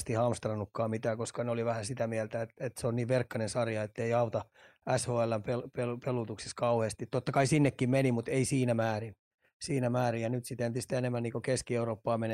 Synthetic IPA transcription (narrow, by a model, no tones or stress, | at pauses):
st̪ihɑmst̪rɑnːukːɑːmit̪æːkoskɑneoliʋæhæsit̪æmiɛlt̪æet̪et̪seonniːʋʋerkːɑnensɑrjɑet̪ːeiɑut̪ɑ | æshoːælːæmpelpelupelut̪uksiskɑuheːst̪it̪t̪ot̪ːɑkɑisinːekːimmenimut̪eisiːnæmæːrin | siːnæmæːrijjɑnyt̪sit̪ent̪ist̪enemːænniːkokeskieuroːpːɑːmene